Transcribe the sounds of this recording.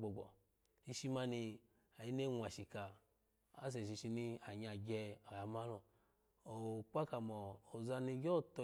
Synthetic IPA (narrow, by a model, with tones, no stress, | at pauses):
ɡ͡bɔ˨ɡ͡bɔ̰˨ | i˧ʃi˧ma˧ni˧ | a˨i˦ne˦ŋʷ˨a˨ʃi˨ka˨ | a̰˨˦s̬ɛ˨ʃ̬i˧ʃi˧ni˧a˨ɲ˧a˨ɡɛ˧ɔ˨ja˨˧ma˦lɔ˨ | o˨k͡pa˦ka˨mɔ˨o˨za˧ni˧˦ɡɔ˦˨tɔ˧